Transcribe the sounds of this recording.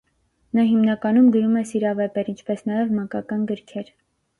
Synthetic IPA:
nɑɦimnɑkɑnumɡəɾumɛsiɾɑvɛpɛɾint͡ʃʰpɛsnɑjɛvmɑŋkɑkɑnɡəɾkʰɛɾ

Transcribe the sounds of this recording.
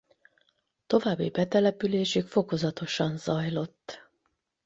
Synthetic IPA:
t̪o̞vaːbːibɛt̪ɛlɛpyleːʃykfo̞ko̞zɒt̪o̞ʃɒnzɒjlo̞t̪ː

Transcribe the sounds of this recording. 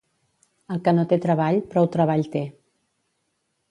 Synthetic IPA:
əlˠkənot̪et̪ɾəβ̞aʎpɾɔwt̪ɾəβ̞aʎt̪e

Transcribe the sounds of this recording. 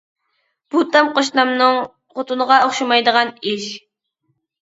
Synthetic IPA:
b̥ut̪ʰɑmqoʃnɑmnɨŋ | qʰot̪ʰunəʁɑoχʃɑmɑjd̪əʁɑnɪʃ

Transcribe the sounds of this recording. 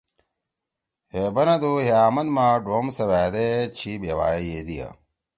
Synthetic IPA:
hebɐnɐd̪uɦeaːmɐnmaɖoːmsɐʋaːd̪et͡ɕʰibewa̰ːijed̪ijɐ̰

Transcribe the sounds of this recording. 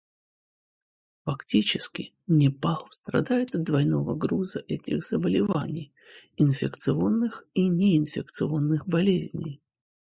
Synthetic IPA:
fɐktʲit͡ɕɪskʲɪ | nʲɪpaxˠst̪ɾɐ̰d̪ajɪt̪ɐt̪̚d̪vɐjno̞vəɡɾuzəʔɛtʲɪxz̥əbəlʲɪva̰nʲɪj | ɪnfʲɪkt̪sɨo̞nːɨxinʲeɪnfʲɪk̚t̪sɨo̞nːɨxbɐlʲezʲnʲɪ̰j

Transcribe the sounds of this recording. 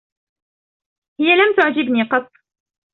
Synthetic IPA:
hɪjːalamt̪ʊʕd͡ʒɪbniːqɑt̪ˤː

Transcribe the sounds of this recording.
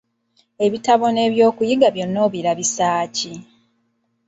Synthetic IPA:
e̞βitaβo̞ne̞ːβjo̞ːkujiɡaβjo̞nːo̞ːβiɾaβisaːci

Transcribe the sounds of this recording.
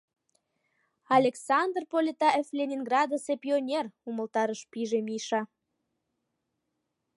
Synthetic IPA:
ɑlʲeksɑnd̪rpolʲet̪ɑʔeflʲenʲinɡrɑd̪osepʲionʲeruməlt̪ɑɾəʃpiʒemiʃɑ

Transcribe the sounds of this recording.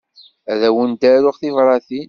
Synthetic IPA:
æðæwənd̪æɾʊʁθivɾˤɑθi

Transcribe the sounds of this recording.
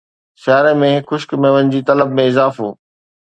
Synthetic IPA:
ʃaːɾemẽɪkxʊʃkmẽʋə̃nɪ̆d͡ʑiːt̪ɐləbmẽɪzaːfɦṵː

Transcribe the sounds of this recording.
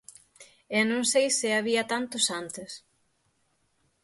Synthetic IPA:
ɛnõŋsejsɪaβiɐt̪ant̪osant̪ɪs

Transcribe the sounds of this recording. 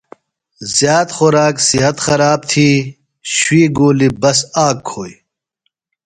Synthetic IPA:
zjaːt̪xoɾaːksiɦɐt̪xɐɾaːb̚t̪ʰiː | ɕwiːɡoːlibɐsaːkʰːoːj

